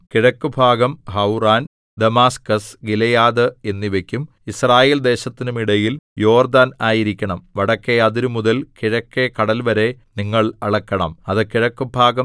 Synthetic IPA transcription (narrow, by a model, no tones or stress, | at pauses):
kiɻɐkːubʱaːɡɐmɦɐwraːn | d̪ɐmaːskɐsɡilɐjaːðɨe̞nːiʋe̞kʲːum | israːjeːld̪e̞ːɕɐt̪ːinumiɽɐjiljo̞ːrd̪aːnaːjiɾikʲːɐɳɐmʋɐɽɐkːe̞ɐðiɾumuðɐlkiɻɐkːe̞kɐɽɐlʋɐɾe̞niŋːɐɭɐɭɐkːɐɳɐ̰mɐðɨkiɻɐkːubʱaːɡɐm